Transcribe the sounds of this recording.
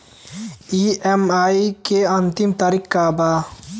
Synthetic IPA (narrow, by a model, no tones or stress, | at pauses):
iemaːikeɐnt̪imt̪aɾikːaːbaː